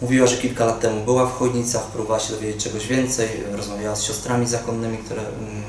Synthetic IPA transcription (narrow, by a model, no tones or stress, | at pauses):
muvʲiwaʐɛkʲilkalat̪ːɛmubɘwafxɔjɲit̪sapɾubɔvawaɕɛd̪ɔvʲed͡ʑet͡ɕ̚t͡ʂɛɡɔʑvʲjɛnt̪sɛj | ɾɔzmavʲjawasɕɔst̪ɾamʲizakɔnːɘmʲikt̪uɾɛ